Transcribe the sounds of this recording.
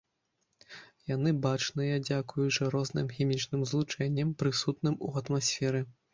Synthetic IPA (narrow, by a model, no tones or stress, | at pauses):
janɨbat͡ʂnɨjad͡zʲakujut͡ʂɐɾɔznɨ̰mxʲimʲit͡ʂnɨmzlˠut͡ʂɛnʲːɐmpɾɨsut̪nɨmṵɐt̪masʲfʲɛɾɨ